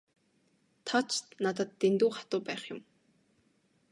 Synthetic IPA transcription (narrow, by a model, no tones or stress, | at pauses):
t̪ʰɔt͡ɕt̪nat̪ə̆t̪ːent̪uːχḁt̪ʊːpæːχjʊ̆m